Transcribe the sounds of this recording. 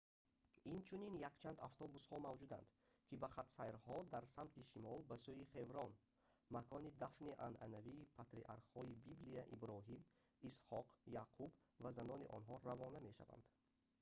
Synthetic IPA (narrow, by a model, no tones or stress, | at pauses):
int͡ʃʰuninjakt͡ʃʰand̪a̰ft̪ʰɔbushɔmavd͡ʒud̪a̰nd̪̥ | kʰibaχat̪sajɾhɔd̪aɾsamt̪iʃimɔlbasuiχe̞vɾɔn | makʰɔnid̪afniʔanʔa̰naviːpʰat̪ɾḭʔaɾqhɔibiblijaʔibɾɔɦim | ishɔqjaqʰubvazanɔniʔɔ̰nɦɔɾavɔname̞ʃa̰va̰nd̪̥